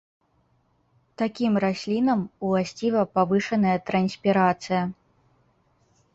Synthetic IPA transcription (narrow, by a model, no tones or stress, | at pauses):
t̪akʲimrasʲlʲinɐmulˠasʲt͡sʲivɐpavɨʂɐnɐjɐt̪ɾɐnsʲpʲiɾat̪sɨjɐ